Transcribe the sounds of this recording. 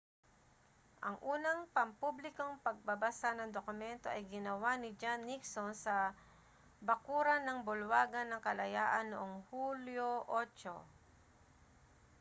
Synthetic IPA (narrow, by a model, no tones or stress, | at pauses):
ʔɐŋʔuːnɐŋpɐmpublɪkoŋpɐɡ̚bɐbasanɐŋd̪okʊmɛnt̪o̞ʔɐjɡɪnɐwanɪd͡ʒanːɪksonsɐ | bɐkuːɾɐnɐŋbʊlwaːɡɐnːɐŋkɐlɐjaːʔɐnːoʔoŋhuljoʔot͡ʃo̰